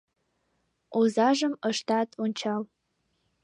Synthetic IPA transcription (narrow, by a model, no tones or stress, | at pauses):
uzaʐɨməʂtʰatʼunt͡ʃʰal